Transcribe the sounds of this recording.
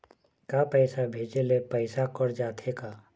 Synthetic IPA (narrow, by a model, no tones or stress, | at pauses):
kapɛɪsabʱeːd͡ʒelepɛɪsakəɾd͡ʒaːt̪ʰeka